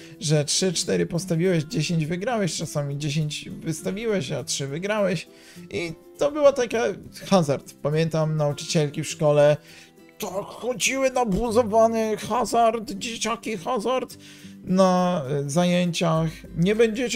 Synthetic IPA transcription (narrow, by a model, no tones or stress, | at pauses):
ʐɛtʂɘt͡ʂt̪ɛɾɘpɔst̪avʲiwɛɕd͡ʑeɕeɲd͡ʑvɘɡɾawɛɕt͡ʂasamʲid͡ʑeɕ̬eɲd͡ʑvɘst̪avʲiwɛɕatʂɘvɘɡɾawɛɕ | ʔit̪ɔbɘwat̪akaxazaɾt̪pamʲjɛnt̪amnaut͡ʂɨ̥t͡ɕɛlkʲifʂkɔlɛ | t̪ɔxɔd͡ʑiwɘnabuzɔvanɛxazaɾt̪d͡ʑet͡ɕakʲixazaɾt̪ | nazajeɲt͡ɕax | ɲɛbɛɲd͡ʑɛt͡ɕ